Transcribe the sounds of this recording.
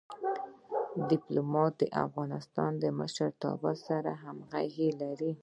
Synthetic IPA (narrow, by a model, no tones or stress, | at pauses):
d̪ɪplumɑt̪̚d̪əʔa̰fɣɑnɪst̪ɑnd̪əməʃaɾt̪ɑ̰basaɾaɦamɣaɣelaɾi